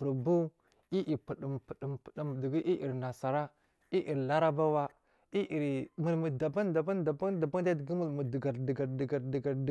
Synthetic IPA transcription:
ə˨ɾbu˦ | i˦ʔi˨pə˨ɗi˨mpə˨di˨mpə̥˨di˨mdi˨ɡi˦ʔi˦ʔḭ˨ɾna˨sa˨ɾa˦ | i˦ʔi˨ɾla˦ɾa˦ba˦wa˦ | i˦ʔi˨ɾmə˨lmə˨da˨ba˦nda˨ba˦nda˨ba˦da˨ba˦ŋ˦da˦di˨ɡi˦mə˨lmə˨də˨ɡa˨ɾdə˨ɡa˨ɾdi˨ɡa˨ɾdə˨ɡa˨ɾd

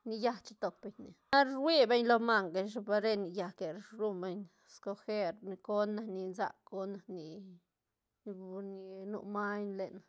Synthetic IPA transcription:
ni˧ja˧t͡ʃi̥˧t̪o˨p̚be˧ɲni˨a˦ɾwi˦be˦ɲlo˧ma˧ŋɡa˧ʃba˧ɾe˧ni˧ja˧ke˨ɾɾu˦˧mbe˧ɲ | sko˧xe˦ɾni˧ko˦na˧ni˧nza̰˧ko˦na˧ni˨˧ | ni˧nṵ˧˨ma˦ɲle˨na˨

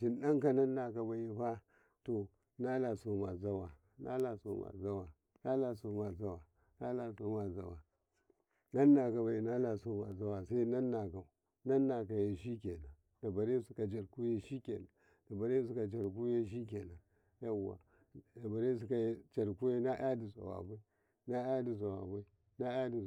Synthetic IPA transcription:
d͡ʒi˨nɗa˦ŋka˦na˦nːa˨ka˨ba˨je˦ɸa˦ | to˨ | na˦la˨so˨ma˨za˦wa˨ | na̰˦la˨so̰˨ma̰˨za˦wa˨ | na˦la˨so˨ma˨za˦wa˨ | na˦la˨so˦ma˨za˨wa˨ | na˦nːa˨ka˨ba˨je˨na˦la˨so˦ma˨za˦wa˨sa˦i˦na˦nːa˨ka˨ | na˦nːa˨ka˨je˨ʃi˦ke˨na˨ | da˨ba˨ɾe˦su˦ka˨d͡ʒa˨ɾku˦je˦ʃi˦kʲḛ˨na˨ | da˨ba˨ɾe˦s̬u˦ka˨d͡ʒa˨ɾk̬u˦je˦ʃ̬i˦ke˨na˨ | ja˦wa̰˨ | da˨ba˨ɾe˦s̬u˦ka˨je˦t͡ʃa˨ɾku˦je˦na˦ʔa˦di˨sa̰˨a̰˨ba˦i˦ | na˦a˦di˨z̬a˨wa̰˨ba˦i˦ | na˦a˦di˨

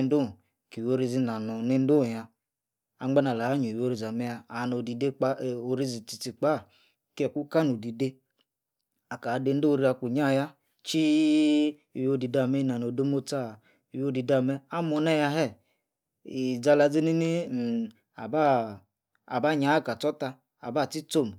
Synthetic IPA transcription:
n˦u˦˨ | ki˨jo˦ɾi˦zi˧na˨no˨ni˦n̩˦du˦˨ja˧ | a̰˨˦ŋ͡ma˦na˨la˨a˦ɲu˨wo˦ɾi˨za˨mɛ˦ja˧a˨no˨di˨de˦k͡pa˦˨o˨ɾi˦zi˨ti˨t͡si˨k͡pa˦˨ | kɛ˨kʷu˦ka˦no˨di˨de˦ | a˨ka˨˦de˧n̩˦do˦˨˦ɾi˦a˧ku˨ɲa˦˨ja˦ | t͡ʃi˦˨ | wo˦di˨da˨mɛ˦na˨no˨de˦mo˦t͡sa˦˨ | i˨wo˦di˨˧da˧˨mɛ˦a˦mo˧nɛ˦˨ja˧ɦɛ˦˨ | i˨d͡za˧la˧˨d͡zi˦ni˦ni˦˨ | a̰˨baː˦˨ | ba˦˨ɲa˨˦˨ka˨t͡sɔ˦ta˧ | a̰˨ba˦˨ti˦t͡so˦˨m˨

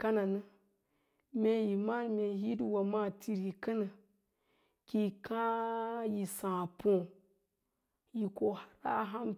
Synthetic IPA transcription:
ka˦na˨nɨ˦ | me˨ji˨ma˦n˨me˨ɦi˦dwa˨ma˦ti˨ɾi˨kə˦nɨ˨ | ki˨kã˦ji˨sã˨põ˦˨ | ji˨ko˨ha˦ɾa˦ɦa˦m

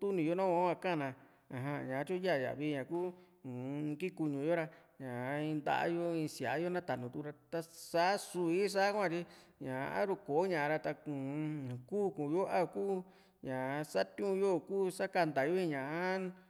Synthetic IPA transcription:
t̪u˦nĩ˨˧jo˦˧nã˦˧˦ã˧kã˦˨nã˧ | a˨ɦã˧˨ɲã˨˧˦t͡ʃũ˦ja˦˨ja̰˨βi˧ɲã˨kũː˦˨˧ | ki˦ku˧ɲũ˨jo˦ɾa˧ | ɲã˨˦ĩ˧nd̪a̰˧ʔa̰˦jo˦ĩ˧si˨a˨˦jo˦nã˦t̪a˨nũ˨t̪u˧ɾa˧t̪a˧sa˦su˧i˦s̬a˦kʷã˧˨t̪i˧ɲã˨˧a̰˦ɾu˧ko˨˦ɲã˧˨˧ɾa˧t̪a˧ũ˨kuː˦˨kũ˨jo˦ʔa˦˧kuː˦ | ɲã˨˧sa˦t̪ũ˦˧jo˦˨kuː˦sa˦ka˧nd̪a˨jo˦ĩ˧ɲã˨a˦

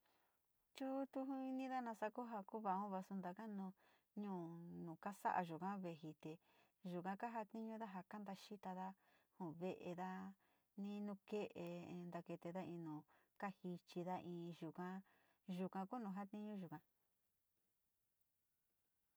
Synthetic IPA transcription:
t͡ʃu˦t̪u˧ɦũ˧i˧nĩ˦ða˦nã˧sa˦ku˦ɦa˧ku˦βa˧˨õ˦βa˧su˧nd̪a˧ka˦nũ˧ | ɲũː˦˧˨nũː˨ka˦sa̰˦ʔa̰˧ʒu˨kã˦βe˨ɦi˧t̪e˨ | ʒu˨kã˧ka˦ɦa˧t̪ĩ˦ɲũ˦ða˦ɦa˨ka˦nd̪a˧ʃi˦t̪a˧ða˦ | hũ˨βe˧ʔe˧ða˦ | nĩ˦nũ˧ke˦ʔe˧nd̪a˧ke˧t̪e˧ða˦ĩ˧nũ˨ka˦hi˧t͡ʃi˧ða˦ʔĩː˧ʒu˨kã˧ | ʒu˧kã˧ku˦nũ˧ɦa˦t̪ĩ˦ɲũ˦ʒu˨kã˧

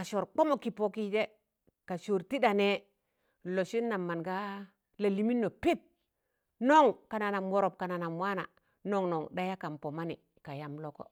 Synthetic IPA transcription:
ka˨ʃo˨ɾk͡po˦mo˨ki˨po˦˨ki˦d͡ʒe˦ | ka˨ʃo˨ɾti˦da˨ne˦ | lo˨ʃi˦nːa˨mːa˨nɡa˦ | la˨li˨mi˦nːo˨pi˦p̚ | no˦˨ŋka˨na˨na˨mwo˨ɾo˨p̚ka˨na˨na˨mwa˦na̰˨ | no˦ŋno˨ŋda˦ja˦ka˨mpo˨ma˦nḭ˨ | ka˨ja˦mlo˦ko̰˦

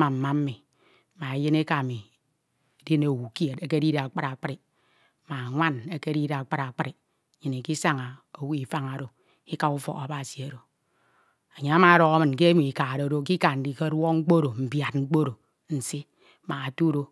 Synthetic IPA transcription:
ma˨m̩˨ma˦m̩˦mi˨ | ma˨e˨jɨ˦ne˦ka˨mi˨ | e˨di˦ne˨wu˨ke˨te˦ke˦di˦ɾe˨a˨k͡pa˦ɾa˨k͡pɾi˨ | ma˨ŋʷa˦ne˦ke˦ɾi˦ɾe˨a˨k͡pa˦ɾa˨k͡pɨ˦ɾi˨ | ɲi˨ni˨ki˦sa˦ŋa˨o˨wu˦i˨fa˦ŋa˨˦ɾo˨ | i˦ka˨u˦fo̰˨a˨˦ba˨si˨a˨ɾo˨ | a˨ɲa˨a˦ma˨a˦ɾɔ˨ɣa˦mɨ˨nke˦mi˨i˨ka˨ɾo˨ɾo˦ki˦ka˨n˨di˨ke˦ɾɔ˦ŋ͡m̩˦k͡po˦ɾo˨m̩˨bja˨t̚ŋ͡m̩˦k͡po˦ɾo˨ | n̩˨si˦ | ma˨a˨tu˦ɾo˦

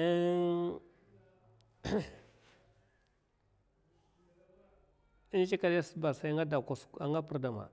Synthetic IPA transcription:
i˦n˦t͡ʃi˦ka˦dja˦sə˦ba˨sa˨˦ŋa˦da˨ka˨sa˨ŋɡa˦pu˦ɾda˨ma̰˨

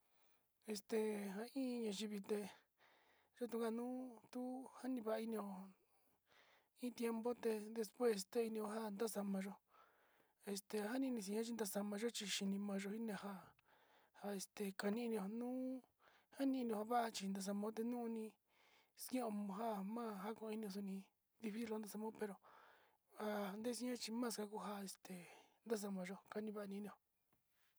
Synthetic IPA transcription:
e˧st̪e˧ɦa˧ĩː˦˧ɲã˧ʒi˧βi˧t̪e˧ | ʒo˦t̪̬u˧ɡa˧nũː˦t̪u˦ha˦nĩ˧βa˧ʔi˧nĩ˧o˧ | ĩ˦t̪je˧mbo˦t̪e˧d̪e˧spwe˦˨st̪e˧i˧nĩ˧o˧ɦa˦nd̪a˦sa˧mã˧ʒo˧ | e˧st̪e˧ɦa˦nĩ˧nĩ˧s̬ĩ˧ã˦t͡ʃi˧nd̪a˧sa˧mã˧ʒo˦t͡ʃi˧ʃi˧nĩ˧mã˧ʒo˧hi˦nẽ˧ha˧ | ha˧e˨st̪e˨ka˧nĩ˦˧nĩ˧o˧nũː˦ | ha˦nĩ˧nĩ˧õ˧a˧βa˦a˧t͡ʃi˧nd̪a˧s̬a˧mõ˦t̪̬e˧nũː˦˧nĩ˧ | skõ˧ɦa˦˨mã˦˨ɦa˦kõ˧i˧nĩ˧o˧s̬u˧nĩ˧ | d̪i˧fi˦si˦lo˧˦nd̪a˧sa˧mõ˦pe˧ɾo˨ | a˧nd̪e˦si˧˦ɲã˦t͡ʃi˧mãː˦˧ska˧ku˧ɦa˧e˧st̪e˨nd̪a˦s̬a˧mã˧ʒo˧ka˧nĩ˧βa˦˧nĩ˧nĩ˧o˧˨

